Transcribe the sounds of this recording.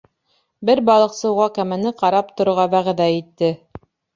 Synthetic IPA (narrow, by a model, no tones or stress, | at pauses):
bɘɾbɑlˠɤ̆qsɤ̆wʁɑkæmænɘqɑɾɑp̚t̪ŏɾŏɾʁɑbæʁðæit̪ːɘ